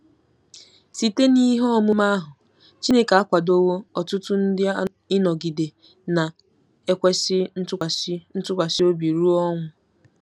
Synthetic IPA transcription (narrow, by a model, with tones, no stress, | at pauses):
si˨te˦ni˦ɦɔ˦mʊ˦ma˦ɦʊ˨ | t͡ʃi˦ne˦ka˨a˦kʷa˨do˦wo˦ɔ˨tʊ˦tʊ˦n̩˦dɪ˦ | ɪ˦nɔ˨ɡi˨de˨ | na˨ | e˦kʷe˦sɪ˦n̩˦tʊ˦˨˦n̩˦tʊ˦kʷa˨ʃɪ˦o˦bi˨ɾu˦ɔ˦ŋʷʊ˨